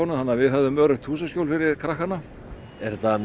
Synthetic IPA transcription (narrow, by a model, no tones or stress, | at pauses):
ɔnʏhanːavɪðɦœvðʏmœɾʏxt̪ʰːuːsaskcjowlfɪɾɪɾ̥kʰɾahkanːa | ɛɾt̪an